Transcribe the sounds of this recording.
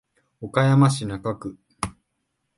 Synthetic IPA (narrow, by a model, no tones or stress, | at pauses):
okajamaɕinakakɯ̟